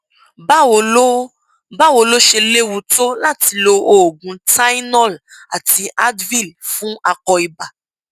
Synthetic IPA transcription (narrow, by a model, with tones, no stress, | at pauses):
ba˦wo˨o˦ | ba˦wo˨lo˦ʃe˧le˦wu˨to˦la˦ti˨lo˨o˨ɡũ˨ta˦jnɔ˦˨la̰˨ti˨ʔa˦dvi˦˨lfũ˦a˨kɔ˨i˨ba˨